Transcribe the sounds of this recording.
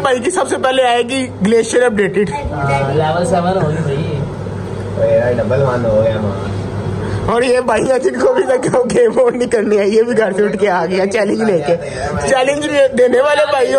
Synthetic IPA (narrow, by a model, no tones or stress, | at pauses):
paːik̬isɐbsepɛːleaːeɡiɡleːʃəɾɐp̚ɖeːʈɪɖaɪlaːʋəlsɐʋɐnɦoːnisɐi | oeaɖɐbəlʋãːnd̪ɦoːjamã̰ː | ɔːɾjebaːiãt̪ʰikkobʱisɐkeokemoːnnikɐɾniajebʱiɡʱɐɾseʊʈkeaːɡɐjãt͡ʃɛːlɪ̃ɲd͡ʒleːke | t͡ʃɛːlɪ̃ɲd͡ʒd̪eːneʋaːlebaːi